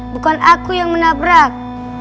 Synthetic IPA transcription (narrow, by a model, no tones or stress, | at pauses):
bəkanakujaŋmənabəɾak̚